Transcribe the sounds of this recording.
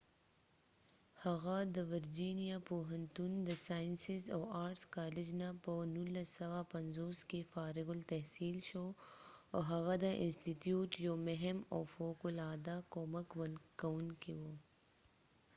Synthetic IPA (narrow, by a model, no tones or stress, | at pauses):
hɐɣad̪əʋəɾd͡ʒiːnijapoɦə̃nt̪und̪əsaːjɪnsɪzawaːɾʈskaːlɪd͡ʒnapənulːəsɐwapɐnzoːskefaːɾɪɣʊlt̪ɐɦsiːlʃooɦɐɣad̪əʔɪ̰nsʈit̪juːʈjomeɦɪmo̰foːkʊlaːd̪akoːməkwɐnkawunkiwo